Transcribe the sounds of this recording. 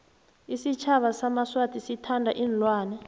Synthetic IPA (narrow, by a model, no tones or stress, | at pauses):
isit͡ʃʰaɓasamaswatʰisitʰandʱaʔiːnlwaːnɛ